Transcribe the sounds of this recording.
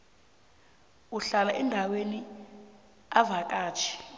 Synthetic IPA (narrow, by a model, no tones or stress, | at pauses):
uɬalaʔɛndʱaweni | avak̬ʼaːt͡ʃʰi̥